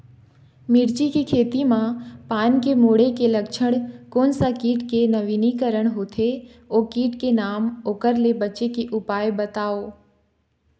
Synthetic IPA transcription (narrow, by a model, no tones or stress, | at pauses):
mɪɾt͡ɕikikʰeːt̪imãpaːnkemoːɽekelɐkʃʰəɽ̃koːnsakiːʈkenɐʋiːnikəɾəɽ̃ɦot̪ʰe | oːkiːʈkenaːmoːkəɾlebɐt͡ʃekeʔʊpaːjbɐt̪aːoː